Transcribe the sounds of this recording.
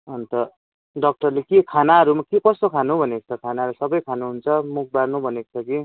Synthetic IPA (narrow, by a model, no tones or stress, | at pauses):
ʌnt̪ʌ | ɖʌk̚ʈʌrlekekʰanaɦʌɾumakekʌst̪okʰanubʱʌnekot͡sʰʌkʰanaɾusʌbʌjkʰanuɦunt͡sʰʌmuk̚ʰbarnubʱʌneko̥t͡sʰʌki